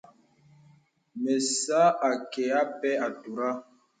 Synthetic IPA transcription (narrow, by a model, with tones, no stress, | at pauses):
me˨sa˦a˨kɛ˨a˦pɛ˦a˨tu˨ɾa˦